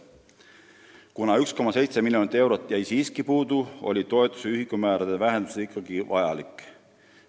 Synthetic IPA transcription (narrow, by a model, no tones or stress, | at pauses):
kunɑyksko̞mɑse̞jt̪semilʲjo̞nit̪ːˑe̞wɾo̞t̪ːˑjæjsiːskipuːd̪̥uo̞̰lʲit̪o̞e̞t̪ːˑu̥seyɦikˑumæːɾɑd̪̥evæɦend̪use̥ikːˑɑɡ̥ivɑjɑlikːˑ